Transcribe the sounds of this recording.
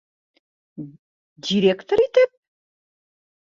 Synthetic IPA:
diɾekt̪oɾit̪ɘp̚

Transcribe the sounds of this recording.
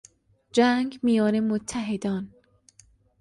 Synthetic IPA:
d͡ʒæŋɡmijɒːnemot̪ʰːæɦed̪ɒːn

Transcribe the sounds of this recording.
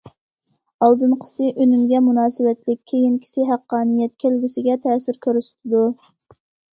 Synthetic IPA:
ɑlˠd̪ɨmqʰə̥sɨʔønymɡʲɛmunɑːsɨwɛt̪lɪkʲʰːejinkʲʰi̥sɪɦæqːɑːnijɛt̪kʲʰelɡʲysɪɡʲɛt̪ʰɛːsɪɾkʲʰøɾysy̥t̪ʰɪd̪u

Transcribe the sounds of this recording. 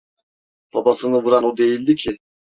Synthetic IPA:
pʰapasɯnɯvuɾanod̪e̞jilʲd̪icʰɪ

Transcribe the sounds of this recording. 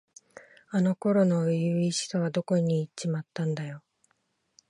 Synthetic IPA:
ano̞ko̞ɾo̞no̞jɯːiɕi̥t̪o̞βad̪o̞ko̞ɲ̟iːt͡ɕimat̪ːãnd̪ajo̞

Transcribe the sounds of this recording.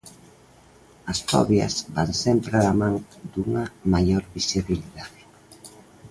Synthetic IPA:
ɐsfɔ̰βjɐ̰zbaŋsɛmpɾalamãŋd̪uŋɐmaʎoɾβisiβiliðaðe

